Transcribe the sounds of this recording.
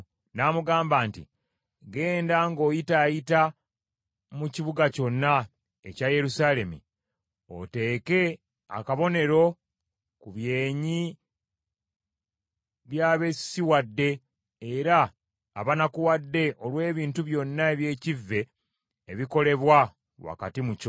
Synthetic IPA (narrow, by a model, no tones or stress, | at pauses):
namuɡaːmbaːntḭ | ɡe̞ːndaŋɡo̞ːjitaːjita | muciβuɡaco̞nːa | e̞̰caje̞ɾusale̞mḭ | o̞̰te̞ːke̞ | a̰kaβo̞ne̞ɾo̞ | kuβje̞ːɲi | βjaːβe̞siwadːe̞ | eɾa̰ː | βanakuwadːe̞ʔo̞lwe̞ːβiːntuβjo̞nːae̞βje̞ːcivːe̞ː | βiko̞le̞βwa | wa̰ka̰timuco